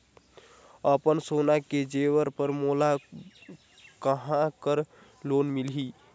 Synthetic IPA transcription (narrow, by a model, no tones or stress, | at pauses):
əpənsonaked͡ʒeʋəɾpəɾmola | kəɦãkəɾ | lonmilɦi